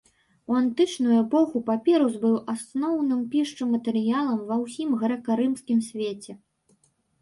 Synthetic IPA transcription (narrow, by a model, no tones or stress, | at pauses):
uant̪ɨt͡ʂnujuɛpɔxupapʲɛɾuzbɨwʔasnɔwnɨmpʲiʂt͡ʂɨmɐt̪ɛɾɨjalˠɐmvɐwsʲimɣɐɾɐkaɾɨmskʲimsʲvʲet͡sʲɛ